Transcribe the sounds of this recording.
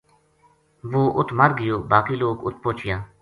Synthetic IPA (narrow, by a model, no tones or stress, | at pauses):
ʋoːʔʊt̪ʰməɾɡɪjoːbaːkiːloːkʊ̰t̪̚ʰpoːt͡ʃʰɪjãː